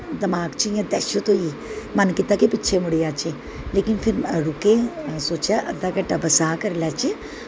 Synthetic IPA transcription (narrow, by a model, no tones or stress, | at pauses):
d̪ɐmaːɡt͡ʃʰijãd̪ɛʃot̪oi | mɐnkɪt̪akepɪːt͡ʃʰemʊɽijaːt͡ʃe | leːkɪnfʰɪɾɐɽʊkẽsoːt͡ʃaʔɐd̪akɐʈɐbɐsaːkɐɾlʲaːt͡ʃe